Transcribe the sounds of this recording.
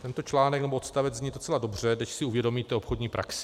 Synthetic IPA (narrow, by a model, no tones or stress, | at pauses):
t̪ɛnt̪o̞t͡ʃlaːnɛknɛboot̪st̪avɛzɲido̞t͡sɛlado̞br̝ɛdnɛʃsɪuvjɛdo̞miːt̪ɛopxodɲiːpɾʔa̰ks